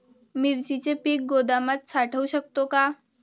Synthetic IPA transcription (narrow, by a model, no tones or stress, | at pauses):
miɾt͡ɕit͡ɕepiːk̚ɡod̪amat̪̚saʈʰəuɕək̚t̪oka